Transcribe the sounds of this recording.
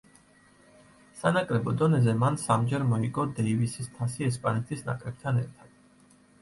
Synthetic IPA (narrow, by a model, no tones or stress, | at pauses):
sanakʼɾɛbɔd̪ɔnɛzɛmansamd͡ʒɛɾmɔikʼɔd̪ɛivisist̪ʰasiɛspʼanɛt̪ʰisna̰kʼɾɛp̚t̪ʰanɛ̰ɾt̪ʰad̪̥̚